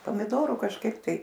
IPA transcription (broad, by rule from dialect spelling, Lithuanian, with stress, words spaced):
poːmʲɪˈdoːrʊ kɐʃˈkɐɪp tɐɪ